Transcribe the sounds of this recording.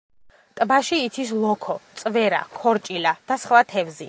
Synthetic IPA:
t̪ʼbaʃiːt̪sʰis̬lˠɔkʰɔt̪sʼvɛɾa̰kʰɔɾt͡ʃʼilad̪̥asχlat̪ʰɛvzḭ

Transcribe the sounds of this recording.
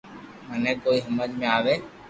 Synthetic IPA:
mənẽːkoːiːɦəməd͡ʒmẽaːʋeː

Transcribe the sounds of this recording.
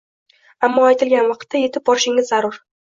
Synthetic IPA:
amːɒajt̪ʰɪlɡʲanvɑqʰt̪ʰːaje̞t̪ʰɪp̚bɒɾɪʃɪŋɪzːaɾʊɾ

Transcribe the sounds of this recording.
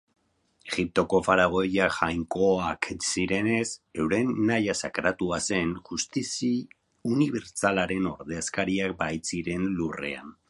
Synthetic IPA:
e̞ɣip̚t̪o̞ko̞faɾaɣ̞o̞jaʝajŋko̞aksiɾe̞ne̞se̞wɾe̞nːajasakɾat̪uase̞nʝust̪isi | uniβe̞ɾt͡salaɾe̞no̞ɾðe̞askaɾiak̚bajt͡siɾe̞nlure̞̰a̰n

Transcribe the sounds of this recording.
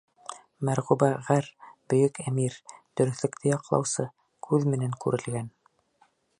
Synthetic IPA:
mæɾʁubɑʁæɾb̥ɵ̆jɵkæmiɾd̪̥ɵ̆ɾɵ̆θlɘ̆kt̪ʰɘjɑqlˠɑ̰wsɤ | kʰʉðmɘ̆næŋkʉɾɘ̆lɡæn

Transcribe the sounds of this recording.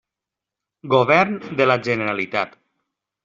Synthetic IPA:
ɡoβɛɾnd̪elaʒəneɾalit̪at̪

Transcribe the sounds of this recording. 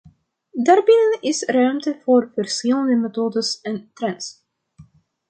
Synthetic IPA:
daːrbɪnənɪsrœɥmtəvoːrvərsxɪləndəmetoːdəsɛntrɛns

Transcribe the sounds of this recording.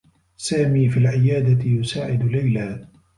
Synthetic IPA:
saːmiːfilʕɪjaːd̪at̪ɪjʊsaːʕɪd̪ʊlajlaː

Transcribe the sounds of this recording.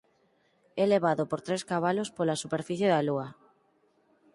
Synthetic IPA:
ɛleβaðopoɾt̪ɾeskaβ̞alospolasupeɾfiθjeðaluɐ

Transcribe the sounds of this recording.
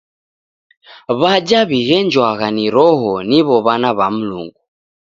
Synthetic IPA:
βad͡ʒaβiɣɛnd͡ʒwaɣaniɾɔɦɔniβɔβanaβam̩lṵŋɡu

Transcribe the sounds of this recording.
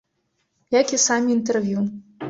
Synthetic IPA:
jakʲisɑmʲint̪ervʲju

